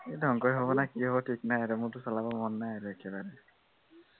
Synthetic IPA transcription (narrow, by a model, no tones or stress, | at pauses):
edʱɔŋkɔjɦobɔnakiɦobɔtʰik̚najaɾumʊtʊsɔlabɔmɔnːajaɹuekɛbaɹɛ